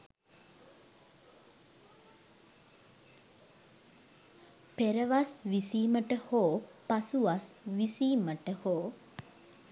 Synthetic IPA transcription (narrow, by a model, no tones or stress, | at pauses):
peɾəʋasʋisiːməʈəhoːpasuʋasʋisiːməʈəhoː